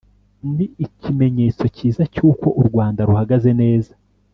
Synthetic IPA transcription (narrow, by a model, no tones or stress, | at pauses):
niicime̞ɲe̞ːt͡so̞ciːzacuːko̞ʔuɾɡwaːndaɾuhaɡaze̞ne̞ːzḁ